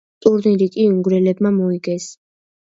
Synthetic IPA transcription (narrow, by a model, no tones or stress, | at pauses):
t̪ʼuɾniɾikʼiuŋɡɾɛlɛb̚mamɔiɡɛs